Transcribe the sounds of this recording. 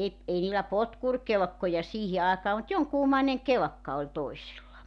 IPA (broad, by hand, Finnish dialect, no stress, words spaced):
ei niːlæ potkurkelĕkːojɑ siːhi ɑːkɑː mut joŋkuːmɑineŋ kelĕkːɑ olʲ toisilːɑ